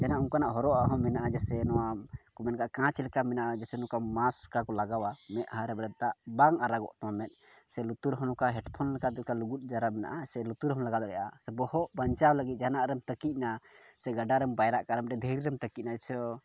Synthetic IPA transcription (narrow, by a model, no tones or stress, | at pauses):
d͡ʒanaʔuŋkanaʔɦɔɾɔʔaɦɔ̃mɛnaʔad͡ʒɛsɛnɔwakumɛnkaʔkãt͡ʃlɛkamɛnaʔad͡ʒɛsɛnɔkamaskakɔlaɡawamɛʔ̪̚haɾɛbɾɛd̪̚t̪aʔbaŋaɾaɡɔ̰ʔt̪ɔamɛt̪̚sɛlut̪uɾɦɔ̃nɔkaɦɛʈpʰɔnlɛkat̪ɔkaluɡut̪̚ˀd͡ʒaɾamɛna̰ʔasɛlut̪uɾɦɔmlaɡat̪ɔɾɛjʔa̰sɛbɔhɔʔbaɲt͡ʃawləɡit̪̚d͡ʒanaʔɾɛmt̪əkic̚nasɛɡaɖaɾɛmbajɾaʔkaɾɛmɛɛd̪ʱəɾiɾɛmt̪əkiʔ̚nad͡ʒɛsɔ